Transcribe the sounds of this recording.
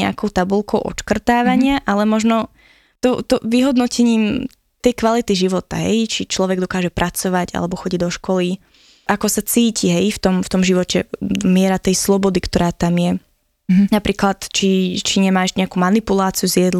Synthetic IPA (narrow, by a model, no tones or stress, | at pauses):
ɛ̰a̰kɔʊt̪abulkɔʊʔɔ̰t͡ʃkr̩t̪aːʋaɲɪaʔalɛmɔʒnɔ | t̪ɔt̪ɔʋiɦɔd̪nɔcɛɲiːm | t̪ɛjkʋalit̪iʒiʋɔt̪a̰ɦɛ̰jt͡ʃit͡ʃlɔʋɛɡd̪ɔkaːʒɛpɾʔat͡sɔʋaɟa̰lɛbɔxɔɟiɟd̪ɔʃkɔli | ʔakɔsat͡siːciɦɛjft̪ɔmft̪ɔmʒiʋɔcɛmɪɛɾat̪ɛjslˠɔbɔd̪ikt̪ɔɾaːt̪amjɛ | napɾiːklat̪t͡ʃit͡ʃiɲɛmaːʒɲɛakuːmanipulaːt͡siuzɪjɛd̪l